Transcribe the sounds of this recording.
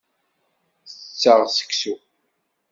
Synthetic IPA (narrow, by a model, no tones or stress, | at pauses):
θət͡sːəʁsə̥ksu